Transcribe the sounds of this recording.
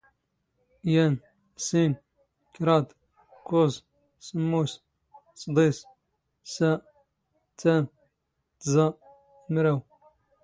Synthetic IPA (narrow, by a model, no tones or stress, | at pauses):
jæn | sin | kɾˤɑd̪ | kʊz | səmːus | sˤd̪ˤis | sæ | t͡sːæn | t̪zɑ | mɾæw